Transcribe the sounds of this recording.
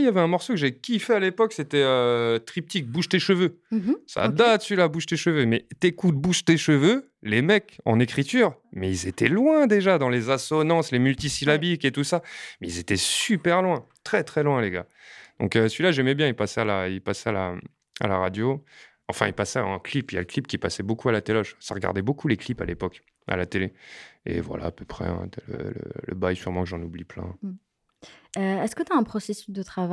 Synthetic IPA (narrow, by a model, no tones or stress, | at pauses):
ijavɛɛ̃mɔʁsokəʒɛkʲifɛalepɔkset̪ɛøt̪χip̚t̪ik̚buʃt̪eʃəvø | sa̰d̪at̪sɥilabuʃt̪eʃəvømɛt̪ekut̪̚buʃt̪eʃəvø | lemɛkɑ̰̃nekχit̪yːʁmɛilzet̪ɛlwɛ̃d̪eʒad̪ɑ̃lezasɔnɑ̃slemylt̪isilabiket̪usamɛilzet̪ɛsypɛʁlwɛ̃t̪χɛt̪χɛlwɛ̃leɡa̰ | d̪̥ɔ̃køsɥilaʒɛmɛbjɛ̃ilpasɛalailpasɛala | a̰laʁad̪jo | ɑ̃fɛ̃ilpasɛɛ̃klipija̰ləklipkʲipasɛbokualat̪elɔʃsaʁɡa̰ʁd̪ɛbokʰuleklipalepɔk | a̰lat̪eleḛvwa̰la̰ːpøpχɛ̰ɛ̰̃lə̰lə̰lə̰bajsyʁmɑ̃kʒɑ̃nubliplɛ̰̃ | øɛskət̪yaɛ̃pχɔsesy̥sd̪ət̪χava